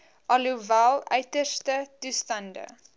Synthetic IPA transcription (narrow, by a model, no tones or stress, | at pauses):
ʔɐluvælˠœɥtərstətustɐndə̰